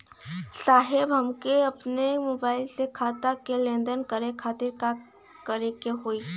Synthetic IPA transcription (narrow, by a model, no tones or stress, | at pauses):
saːɦɪbɦɐmkeɐpnemoːbaːɪlsekʰaːt̪akelẽːnd̪əɾnkəɾekʰaːt̪ɪɾka | kəɾẽkeɦoːiː